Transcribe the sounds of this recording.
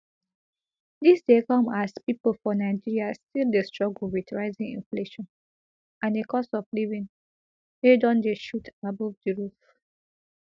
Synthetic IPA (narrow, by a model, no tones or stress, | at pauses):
disdekɔ̃maspipolfɔnaɪd͡ʒiɹiastildestɹ̥ɔɡl̩wiθɹaɪzĩŋḭ̃nfleʃɔ̃n | ãndekɔsɔflivĩn | edɔ̃ndeʃutʰabɔvdiɹuf